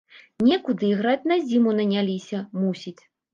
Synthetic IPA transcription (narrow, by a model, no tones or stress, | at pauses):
nʲɛkud̪ɨɣɾat͡sʲnɐzʲimunɐnʲalʲisʲɐmusʲit͡sʲ